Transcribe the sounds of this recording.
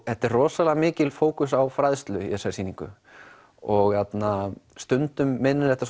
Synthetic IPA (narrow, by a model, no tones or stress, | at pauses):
hɛht̪ɛrrɔːsalɛɣamɪːcɪlfoːwkʏsawfɾaðst̪lʏjɛsaɾsiːniŋkʏ̰ | ɔɣçat̪nast̪ʏnt̪ʏmːɪnːʏɾɛht̪ːas